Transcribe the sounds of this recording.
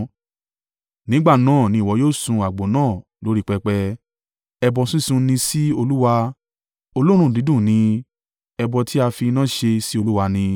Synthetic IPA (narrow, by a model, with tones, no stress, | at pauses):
nĩ˨˦ɡ͡ba˦˨nãː˦˨nĩ˧i˨wɔ˨˧˦joː˦˨sũ˧a˨ɡ͡bo˨˦nãː˦˨ | lo˨˦ɾi˦k͡pɛ˧k͡pɛ˧ | ɛ˧bɔ˧sĩ˦sũ˧nĩ˧si˦o˧lu˦wa˧ | o˧lo˦ɾ̃ũ˦˨di˨˦dũ˦˨nĩ˧ | ɛ˧bɔ˧tʰi˦a˧fi˧nã˦˨ʃe˧si˦o˧lu˦wa˧nĩ˧